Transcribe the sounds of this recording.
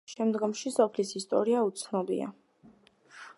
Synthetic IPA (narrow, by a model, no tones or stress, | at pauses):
ʃɛmd̪ɡɔmʃisɔpʰlisist̪ʼɔ̰ɾiaut̪sʰnɔbḭa̰